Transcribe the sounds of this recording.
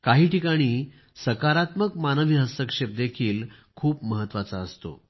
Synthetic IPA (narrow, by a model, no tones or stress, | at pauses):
kaɦiːʈikaɽ̃iː | səkaɾat̪məkmanəʋiɦəst̪əkʂep̚d̪ekʰiːl | kʰuːpməɦət̪ːʋat͡saəst̪o̰